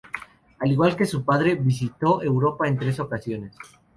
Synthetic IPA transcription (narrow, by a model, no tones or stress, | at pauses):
aliɣwalke̞supaðɾeβis̬it̪o̞ʔe̞wɾo̞pae̞nt̪ɾe̞so̞kasjo̞ne̞s